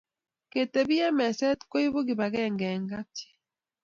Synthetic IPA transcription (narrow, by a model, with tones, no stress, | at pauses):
ke˨te˨bi˦ɛ˦mɛ˨sɛ˦t̪ko˦i˦βo˦ɡi˨ba˨ɣɛ˦˨ŋɡɛ˨ŋɡa˦te̥˨˦